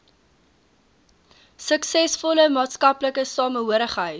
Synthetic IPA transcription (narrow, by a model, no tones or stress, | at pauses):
səksɛsfɔləmɑːtskɐpləkəsɑːməɦuəɾəχɦəj